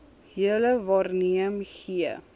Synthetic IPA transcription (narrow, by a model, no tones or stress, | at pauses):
hiələvɑːrniəmχiə